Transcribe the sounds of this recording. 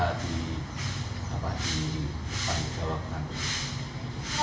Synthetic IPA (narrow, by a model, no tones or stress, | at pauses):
ad̪̥i | a̰pad̪̥i | panid͡ʒ̥awap̚nani